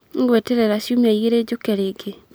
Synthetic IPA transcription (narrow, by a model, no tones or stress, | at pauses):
ŋ̩ɡwɛtɛɾɛɾaʃjomaiɣeɾed͡ʒokɛɾeɡe